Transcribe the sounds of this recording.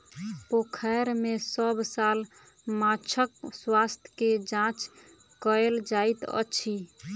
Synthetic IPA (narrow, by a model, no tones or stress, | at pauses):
pokʰəɾmesəbsal | mãt͡ʃʰəkswast̪ʰked͡ʒãt͡ʃ | kəeld͡ʒait̪ə̰t͡ʃʰi